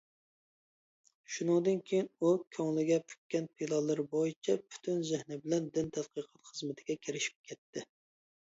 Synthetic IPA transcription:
ʃunɨŋd̪ɨnkʲʰejinukʲʰɑŋlˠɪɡʲɛpʰy̥k̚ʲkʲːɛnpʰilˠɑlˠɨɾbojit͡ʃʰɛpʰy̥t̪ʰynzɪhnɪbɪlɛnd̪ɪnt̪ʰæt̪̚qʰəqʰɑ̥t̪χəzmɪt̪ʰɪɡʲɛkʲʰɪɾɪʃi̥p̚kʲʰɛt̪ːɪ

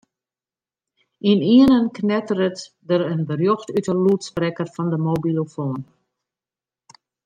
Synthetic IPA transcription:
iniənənknɛtəɾət | dəɾənbərjoxtytəluːtsprɛkərfɔndəmobilofoːn

